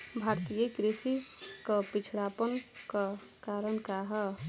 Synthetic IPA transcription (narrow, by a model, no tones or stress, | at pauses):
bʱaɾt̪ijəkɾisikəpit͡ʃʰɽapənkakaɾənkaɦə